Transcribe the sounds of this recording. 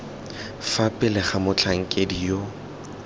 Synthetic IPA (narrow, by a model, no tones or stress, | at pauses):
fapʼɪlɪχamʊt͡ɬʰaŋ̩kʼedijo